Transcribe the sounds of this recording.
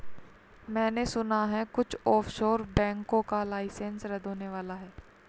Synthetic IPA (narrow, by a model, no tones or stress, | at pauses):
mɛ̃ːnesʊnaɦɛkʊt͡ʃʰɔːfʃoːɾbɛ̃ːŋkõkalaːɪsɛ̃nsɾɐd̪ʱoːneʋaːlaɦɛː